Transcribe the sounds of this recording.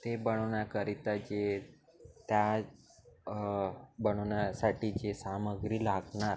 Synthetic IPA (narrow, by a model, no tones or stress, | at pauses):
t̪ebəɽ̃oɳjakəɾit̪at͡ɕe | t̪ja | bəɽ̃oɳjasaʈit͡ɕesaməɡɾiːlaɡɳaɾ